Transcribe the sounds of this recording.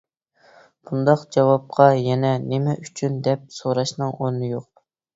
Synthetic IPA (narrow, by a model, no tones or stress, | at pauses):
b̥und̪ɑqd͡ʒɑwɑp̚qʰɑjɛnɛnemɛʔyt͡ʃʰynd̪ɛp̚soɾɑʃnɨŋonːɨjoq̚